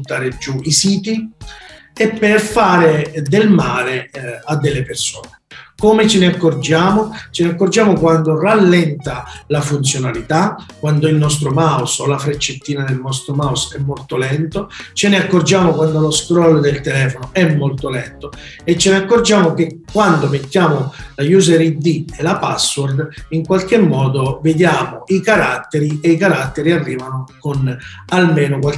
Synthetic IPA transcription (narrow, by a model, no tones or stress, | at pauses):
bunt̪aːɾed͡ʒːuisiːt̪i | epːerfaːɾed̪elmaːlead̪ːelːepersoːnekomɪt͡ʃɪneakːord͡ʒaːmot͡ʃeneakːord͡ʒaːmokwand̪oralːɛnt̪alafunt̪sjonalit̪akːwand̪oilnɔst̪ɾomawsolafɾet͡ʃːet̪ːiːnad̪elnɔst̪ɾomawsɛmːolt̪olɛnt̪ot͡ʃeneakːord͡ʒaːmokwand̪oloskɾɔld̪elt̪elɛːfonoɛmːolt̪olɛnt̪o | et͡ʃːeneakːord͡ʒaːmok̟ekːwand̪omet̪ːjaːmolajuzeɾid̪ielapasword̪iŋkwalk̟emːɔːd̪oved̪jaːmoikaɾat̪ːeɾiejkaɾat̪ːeɾiarːiːvanokon | almeːnokwal